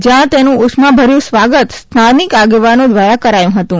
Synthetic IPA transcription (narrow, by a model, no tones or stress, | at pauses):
d͡ʒjãt̪enũʊsmãbʱəɾjũsʋaɡət̪st̪ʰanikaɡeʋanõd̪ʋajakəɾajũɦət̪ũ